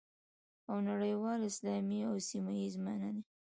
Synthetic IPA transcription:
awnaɽəjwɑlɪslɑmiawsimajizmanad̪e

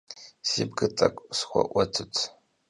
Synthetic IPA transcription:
z̥ibɡɨtʼɐkʷʼsxʷɔ̰ʔʷɔtʰɨtʰ

